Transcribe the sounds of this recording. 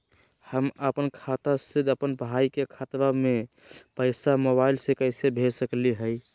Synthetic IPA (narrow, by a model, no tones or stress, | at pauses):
həməpənkʰat̪ased̪əpənpaikekʰat̪bame | pəɪsamoβaɪlsekəɪsebʱesəkliɦəj